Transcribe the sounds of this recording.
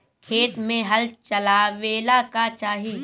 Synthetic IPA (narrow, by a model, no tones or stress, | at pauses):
kʰeːt̪mẽɦɐlt͡ʃɐlaːʋeːlakat͡ʃaːɦiː